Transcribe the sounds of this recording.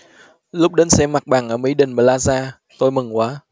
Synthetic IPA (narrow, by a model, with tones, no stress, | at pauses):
lʊ˦˥k͡p̚ɗe˨˦nsɛ̰˧˥mːa˨˩k̚ɓaː˧˩ŋʔəː˧˩mi˨˦jɗï˨˩ŋ̟ɓaː˧˩laː˧zaː˧ | t̪o˧jmɨ˨˩ŋkwaː˨˦